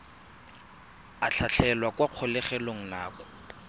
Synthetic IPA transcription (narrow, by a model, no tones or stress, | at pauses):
aɬʰaɬʰɛlwakwaq͡χʰɔlɛχɛloŋ̩naːkɔ̥